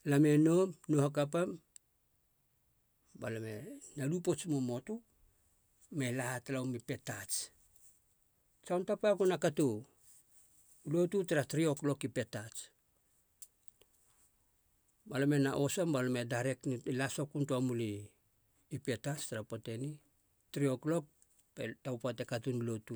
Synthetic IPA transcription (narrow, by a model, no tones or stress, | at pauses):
lame̞no̞mnohakapam | balamenalupot͡ʃmomo̞tu | melahatalaumipe̞tat͡ʃ | t͡ʃawntapakunakato | ulo̞tutaɾatɾio̞klo̞kipe̞tat͡ʃ | balome̞naʔo̞sambalome̞daɾe̞knlasokuntuamuliː | pe̞tat͡ʃtaɾapote̞ni | tɾio̞klo̞k̚ | petawpatekatunulo̞tu